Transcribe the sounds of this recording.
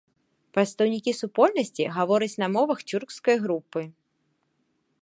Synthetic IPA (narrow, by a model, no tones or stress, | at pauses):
pɾɐt̪st̪ɐwnʲikʲisupɔlʲnɐsʲt͡sʲiɣavɔɾɐt͡sʲnɐmɔvɐxt͡sʲurkskɐjɣɾupːɨ